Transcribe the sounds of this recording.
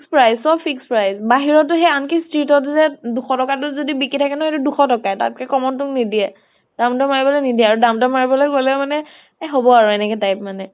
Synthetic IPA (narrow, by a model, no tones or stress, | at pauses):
kspɹajsɔpʰikspɹajzbaɦiɹɔt̬ʊɦɛankistɹitɔtzɛduxɔtɔkatʊzodibikitʰakɛnɔɔtuduxɔtɔkata̰t̚kɛkɔmɔntʊknidiɛ | d̥amtɔmaɹibɔlɔnidiɛaɹudamtɔmaɹibɔlɔjkolɛmanɛ | ɦobɔaɹɔɛnɛkɛtajp̚manɛ